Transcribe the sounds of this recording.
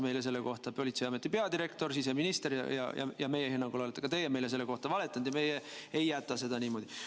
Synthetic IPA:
me̞jles̬e̞lːeko̞ht̪ɑpo̞lʲit̪sejɑme̞t̪ːˑipe̞ɑd̪iɾe̞kt̪o̞rsis̬eminist̪eɾjɑ̰jɑ̰jɑ̰jɑme̞jehenːɑŋɡ̥ulɑlet̪ːˑekɑt̪e̞jeme̞jlese̞lːe̞ko̞ht̪ɑvɑle̞t̪ːˑɑnd̪̥jɑme̞jeejːæt̪ːˑɑse̞d̪̥ɑniːmo̞d̪̥i

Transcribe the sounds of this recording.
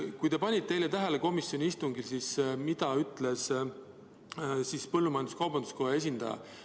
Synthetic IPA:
kujt̪e̞pɑnʲit̪̚ːe̞jlet̪æɦeleko̞misːjo̞nʲiist̪uŋɡilsismid̪ɑyt̪ːˑle̞s | sispɤlːumɑjɑnd̪uskɑwbɑnd̪u̥sko̞ɦee̞s̬ʲind̪̥ɑ̰jɑ̰

